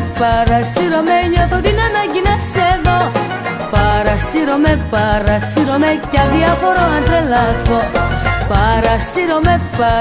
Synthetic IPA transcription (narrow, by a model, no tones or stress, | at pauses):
pɐɾɐsiɾomeɲoθot̪inɐnɐɲɟinɐseðo | pɐɾɐsiɾomepɐɾɐsiɾomecɐðiɐfoɾoɐnd̪ɾelɐθopɐɾɐsiɾomepa